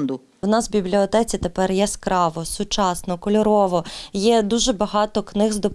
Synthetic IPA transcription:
nd̪ʊ | wnɑsbʲiblʲiɔt̪ɛt͡sʲit̪epɛrjɛskɾɑʋɔsʊt͡ʃɑsnɔkɔlʲɔɾɔʋɔjɛd̪uʒɛbɐɦɑt̪ɔknɪɣzd̪ɔp

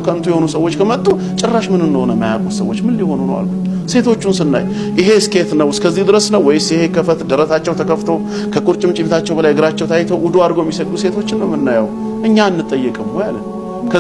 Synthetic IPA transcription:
kʰəɨnt̪ʰujɛho̞nusəwːo̞t͡ʃːkʰəmət̪ʼːu | t͡ʃʼɪrːaʃmɨnɨndəhonəmajakʼut̪sə̰wːot͡ʃːmɨlːiho̞nhonəwa̰lbuɲ | se̞t̪ʰo̞t͡ʃːunsɨnːa̰j | ʔɪɦe̞ske̞t̪nəwɨskʰəzːihd̪ɨɾəsnəwːɔjsjhekʰəfət̪d̪əɾət̪at͡ʃːɛwt̪ʰəkʰəft̪ʰo̞ | kʰəkʼuɾt͡ʃʼɪmt͡ʃʼibt̪ʰat͡ʃːɛwbəlajɡɨɾat͡ʃːɛwt̪ʰajt̪ʰəwʔʊd̪uad̪ɡojɛmːisəkʼːuse̞t̪ʰo̞t͡ʃːɪnːəwmɨnːajaw | ʔɨɲːanːɨt̪ʼːəjːɛkʼɨmhojalːən | kʰə

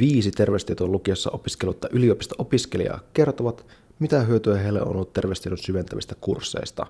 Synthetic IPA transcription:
ʋiːsit̪e̞rʋest̪iet̪olukiɑsːɑ̰ʔo̞piskelut̪ːɑʔyliopist̪ɑʔo̞piskelḭɑ̰ke̞rt̪oʋɑt̪ | mit̪æɦyøt̪yæɦejlːḛʔo̰nolːut̪ːerʋest̪ieɾonsyʋe̞nt̪æʋist̪ækursːḛjst̪ɑ̰

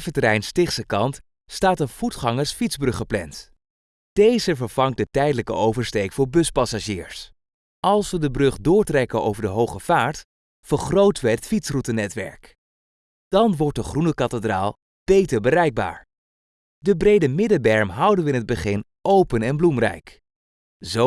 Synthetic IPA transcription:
vətəɾɛjnstɪχsəkɑnt | staːtənv̥utχɑŋəɹsfitzbrɵχəplɛ̰nt | d̥ejzəvəɹv̥ɑŋ̚dətɛjdələkə̰owvəɹstejkfʊːɹbɵspɑsaʒiːɹs | ʔɑlˠsʋədəbrɵχdʊːɹtrɛkəno̰wvəɹdəɦowχəv̥aːɹt | fəɹχrowtəʋəɦətfitsrutənɛtʋɛ̰ɹk | d̥ɑnʋɔɹt̚dəχrunəkɑtədra̰ːlˠ | b̥ejtəɹbərɛjɡ̚ba̰ːɹ | dəbrejdəmɪdəbɛɹmɦɑwdənʋəɪnɦəd̚bəχɪn | ʔowpənɛnblumrɛ̰jk | zo

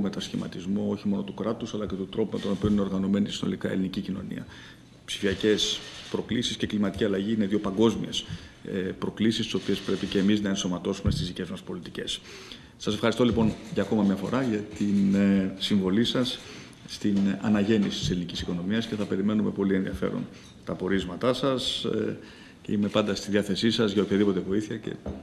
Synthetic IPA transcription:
me̞t̪ɐsçimɐ̰t̪izmoo̞çimo̞no̞t̪ukɾɐt̪usɐlɐce̞t̪ut̪ɾo̞pume̞t̪o̞no̞piuine̞ɾɣɐno̞me̞nisino̞̰likɐe̞linicicino̞̰nḭɐ̰ | psi̥fiɐce̞spɾo̞klisisce̞klimɐt̪iciɐlɐʝiineðjo̞pɐŋɡo̞zmḭes | pɾo̞klisist̪i̥so̞pie̞spɾe̞pice̞ːmiznɐe̞nso̞mɐt̪o̞sume̞st̪izðice̞zmɐspo̞lit̪ice̞s | sɐsefxɐɾist̪olipo̞nʝɐːko̞mɐmɲɐfo̞̰ɾɐʝɐt̪insiɱvo̞lisɐsː | t̪inɐ̰nɐʝe̞nisi̥t̪iselinicisiko̞no̞miɐsce̞θɐpe̞ɾime̞nume̞po̞lieðḭɐfe̞̰ɾo̰n | t̪ɐpo̞ɾizmɐt̪ɐsɐs | ime̞pɐnd̪ɐst̪iðiɐθe̞sisɐzʝɐopçɐðipo̞t̪e̞vo̞iθiɐce̞̰

